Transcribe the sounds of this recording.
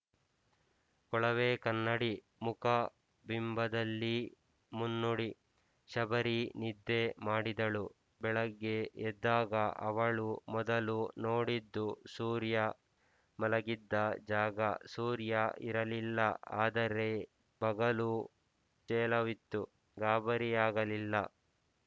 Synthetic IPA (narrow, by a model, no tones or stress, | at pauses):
kɔɭɐʋeːkɐnːɐɽi | mukɐ | bimbɐd̪ɐlːi | munːuɽi | ʃɐbɐɾinid̪ːemaːɽid̪ɐɭu | bɛɭɐɡːeɛd̪ːaːɡɐʔɐ̰ʋɐɭumɔd̪ɐlunoːɽid̪ːusuːɾjɐ | mɐlɐɡid̪ːɐd͡ʒaːɡɐsuːɾjɐʔiɾɐlilːɐʔa̰ːd̪ɐɾe̞ | bɐɡɐlu | t͡ʃɛːlɐʋit̪ːu | ɡaːbɐɾijaːɡɐlilːɐ